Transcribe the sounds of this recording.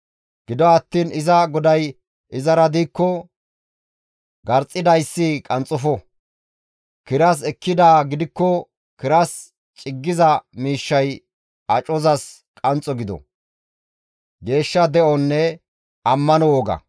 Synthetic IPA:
ɡ̥ɪd̪ɔɐt̪ːiːnɪzɐɡɔd̪ɐj | ʔɪzɐɾɐd̪iːkːɔ | ɡɐɾt͡sʼːɪd̪ɐjsːɪkʼɐnt͡sʼʊfɔ | kɪɾɐs̬ɛkːɪd̪aːɡɪd̪ɪkːɔ | kɪɾɐs | t͡ʃʼɪɡːɪzɐmiːʃːɐj | ɐt͡ʃʼɔzɐs | kʼɐnt͡sʼɔɡɪd̪ɔ̰ | ɡe̞ːʃːɐd̪ɛʔɔnːɛ | ɐmːɐnɔwɔɡɐ̰

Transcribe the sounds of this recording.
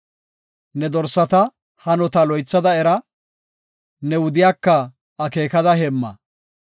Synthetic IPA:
nɛd̪ɔɾsɐt̪ɐ | hɐnɔt̪ɐlɔjt͡sːɐd̪ɐɛɾɐ | nɛwʊd̪ɪjaːkːɐː | ke̞ːkɐd̪ɐɦɛmːɐ̰

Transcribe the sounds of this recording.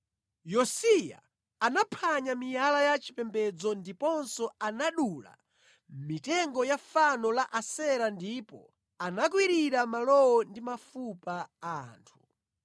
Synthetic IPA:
jɔsija̰ | anapʰaɲamijalajat͡ʃʰi̥pɛmbɛd͡zɔndipɔnsɔanaɗula̰ | mitɛŋɡɔjafanɔlaʔasɛɾandipɔ̰ | anak̬wiɾiɾamalɔwɔndimafupaaːntʰu̥

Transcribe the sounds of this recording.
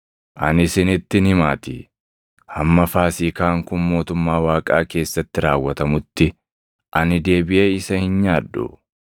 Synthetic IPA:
ʔɐnɪsɪnɪt̪ːɪnɪmaːt̪ɪ | hɐmːɐfaːsiːkaːŋkʊnmo̞ːt̪ʊmːaːwaːkʼa̰ːke̞ːsːɐt̪ːɪɾaːwːɐt̪ɐmʊt̪ːɪ | ʔɐnɪd̪e̞ːbɪʔe̞ːɪsɐhɪnɲaːdːʊ̰

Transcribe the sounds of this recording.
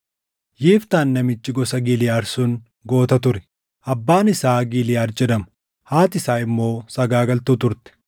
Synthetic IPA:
jeːft̪aːnːɐmɪt͡ʃːɪɡɔsɐɡilɪjaːɾsun | ɡo̞ːt̪ɐt̪ʊɾɛ̥ | ʔɐbːaːnɪsaːɡilɪjaːɾd͡ʒɛd̪ɐmʊ̥ | haːt̪ɪsaːɪmːo̞ːsɐɡaːɡɐlt̪uːt̪ʊɾt̪ɛ̥

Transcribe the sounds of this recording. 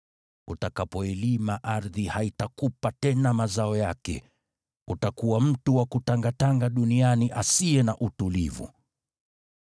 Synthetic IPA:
utakapɔɛlimaʔaɾðihaitakupatɛnamazaɔjakɛ̰ | utakuwam̩tuwakutaŋɡataŋɡaɗunianiʔasiɛnaʔutulivṵ

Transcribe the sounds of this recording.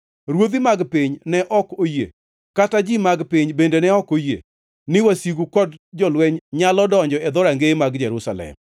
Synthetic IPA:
ɾwod̪imaɡpɪɲnɛʔɔkojḛ | katad͡ʒimaɡpɪɲbendenɛɔkojḛ | nɪwasiɡukɔdd͡ʒɔlwɛɲɲalɔdɔɲd͡ʒɔɛd̪ɔɾaŋɡemaɡd͡ʒɛɾusalɛ̰m

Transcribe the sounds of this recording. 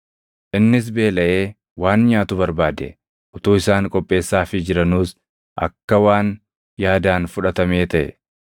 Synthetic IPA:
ʔɪnːɪs̬be̞ːlɐʔe̞ː | waːnɲaːt̪ʊbɐɾbaːd̪ɛ | ʔʊt̪uːɪsaːŋkʼɔpʼːe̞ːsːaːfɪd͡ʒɪɾɐnuːs | ʔɐ̰kːɐwaːn | jaːd̪aːnfʊᶑɐt̪ɐme̞ːt̪ɐʔɛ̰

